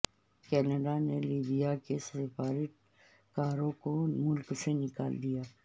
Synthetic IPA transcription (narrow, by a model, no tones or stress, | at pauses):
kɛːnəɖaneliːbijakesɪfaːɾɪ | kaːɾõkomʊlksenɪka̰ːld̪ijaː